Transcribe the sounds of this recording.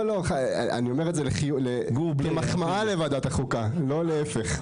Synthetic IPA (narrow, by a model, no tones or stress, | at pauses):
loχa̰a̰nio̞me̞ʁetzeleχiuleɡubemaχmaalevad̪at̪aχukalo̞leefe̞χ